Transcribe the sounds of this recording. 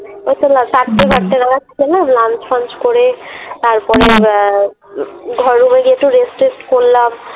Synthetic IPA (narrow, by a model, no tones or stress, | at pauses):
ot̪ʰelasaʈtebʱaʈt̪eɾaɡat̪ʰikʰelamlant͡ʃpʰant͡ʃkoɾet̪aɾpɔɾe | ɡʱɔɾːumeɡeʈuɾesʈɾesʈkoɾlam